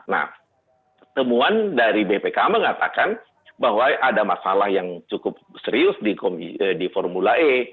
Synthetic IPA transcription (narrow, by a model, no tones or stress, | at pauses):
na̰h | t̪əmuandaɾibepekaməŋat̪akan | bahwaʔadamasalahjaŋt͡ʃukʊp̚ | səɾiʊsdikomidifɔrmulaʔe